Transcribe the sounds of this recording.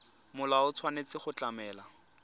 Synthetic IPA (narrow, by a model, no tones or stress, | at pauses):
mʊlaʊt͡sʰwanet͡sɪχʊt͡ɬamɛːla